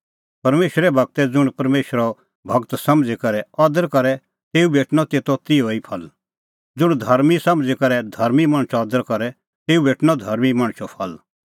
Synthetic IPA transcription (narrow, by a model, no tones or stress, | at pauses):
pɐɾmeːʃɾɛbʱɐɡ̚t̪ɛd͡zʊɽ̃pɐɾmeːʃɾɔ | bʱɐɡt̪sɐmd͡zikɐɾɛɔːd̪əɾkɐɾɛ | t̪eːubʱeːʈnɔt̪eːt̪ɔt̪ioːipʰɐl | d͡zʊɽ̃d̪ʱɐɾmisɐ̃md͡zɛkɐɾɛd̪ʱɐɾmimɐɽ̃t͡ʃɔɔːd̪əɾkɐɾɛ | t̪eːubʱeːʈnɔd̪ʱɐɾmimɐɽ̃ʃɔpʰɐl